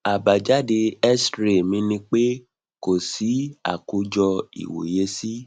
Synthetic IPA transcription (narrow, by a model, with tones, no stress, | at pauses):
a˨ba˨d͡ʒa˦de˧ɛ˦stɾe˨mĩ˧˦nĩ˧k͡pe˦ | ko˨si˨˦a̰˨ku˧˦d͡ʒɔ˧ḭ˨wo̰˨je˧˦si˦